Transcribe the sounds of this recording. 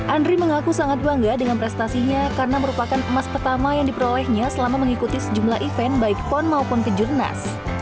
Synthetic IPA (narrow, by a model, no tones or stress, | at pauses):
ʔandɾiməŋakusaŋat̪̚baŋɡadəŋanpɾɛst̪asiɲakaɾənaməɾupakanəmaspərt̪amajaŋdipəɾolɛhɲasəlamaməŋikut̪isəd͡ʒumlaɦʔifɛnbaik̚pɔnmaupunkəd͡ʒurna̰s